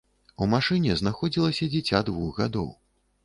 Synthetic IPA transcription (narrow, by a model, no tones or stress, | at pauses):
umaʂɨnʲɛznaxɔd͡zʲilˠɐsʲɐd͡zʲit͡sʲad̪vuɣɣad̪ɔ̰w